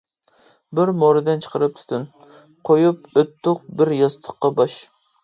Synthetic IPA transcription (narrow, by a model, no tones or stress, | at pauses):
bɪɾmoɾɨd̪ɨnt͡ʃʰə̥qʰəɾɨp̚t̪ʰu̥t̪ʰyn | qʰojupøt̪ʰːʊq̚bɪɾjɑst̪ʰə̥qːɑbɑʃ